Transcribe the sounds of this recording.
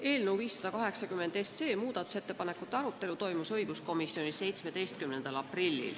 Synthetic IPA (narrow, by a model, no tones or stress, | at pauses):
e̞ːlneuviːsːɑd̪̥ɑkɑɦe̞ksɑkymːe̞nd̪̥e̞sːe̞ːmuːd̪̥ɑt̪ːˑu̥se̞t̪ːe̞pɑne̞kːˑut̪ːˑeɑɾut̪ːe̞lut̪o̞jmusɤ̞jɡ̥usko̞misːjo̞nisse̞jt̪sme̞d̪e̞jst̪̚kymne̞nd̪̥ɑlɑprilʲːḭl